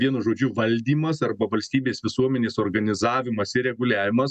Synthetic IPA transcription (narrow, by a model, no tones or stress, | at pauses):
ʋʲiɛnʊʒoːd͡ʒʲʊʋɐlʲd̪ʲiːmɐsɐrbɐʋɐlʲsʲt̪ʲiːbʲeːsʋʲɪsuɔmʲɛnʲeːsoːrɡɐnʲɪzɑːʋʲɪmɐsɪɾʲɛɡʊlʲæːʋʲɪmɐs